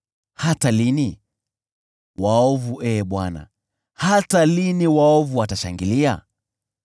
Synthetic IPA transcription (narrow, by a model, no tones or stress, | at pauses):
hatalini | waɔvuʔɛɓwana̰ | hataliniwaɔvuwataʃaŋɡilia̰